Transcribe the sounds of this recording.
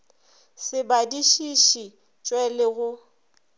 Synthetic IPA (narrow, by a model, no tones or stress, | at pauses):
sɪbadiʃiʃi | t͡ʃʼwɛlɪɣʊ